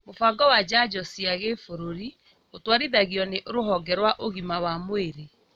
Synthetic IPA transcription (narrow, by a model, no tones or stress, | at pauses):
mofaːŋɡɔwad͡ʒad͡ʒɔsiaɣefoɾoɾi | otwaɾiðaɣiɔneʔoɾoɦɔɡɛɾwaʔoɣimawamoeɾe